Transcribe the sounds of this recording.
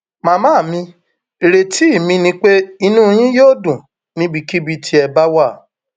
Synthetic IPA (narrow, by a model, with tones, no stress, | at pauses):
mã˧mãː˦˨mĩ˧ | e˨ɾe˨ti˨˦˨mĩ˧nĩ˧k͡pe˦i˧nũ˦˧˦j̃ĩ˦joː˦˨dũ˨ | nĩ˦bi˧ki˦bi˧tʰi˧ɛ˧ba˦wa˦˨